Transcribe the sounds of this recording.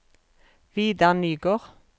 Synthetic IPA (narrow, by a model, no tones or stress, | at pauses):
ʋiːd̪ænyːɡoːʁ